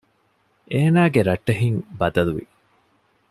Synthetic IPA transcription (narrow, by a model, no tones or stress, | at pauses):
ʔeːnaːɡeɾɐʈːɐɦiŋbɐd̪ɐluʋḭ